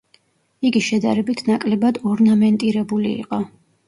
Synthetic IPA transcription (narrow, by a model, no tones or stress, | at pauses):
iɡiʃɛd̪a̰ɾɛbit̪ʰnakʼlɛbad̪ɔɾnamɛnt̪ʼiɾɛbulḭːqʼɔ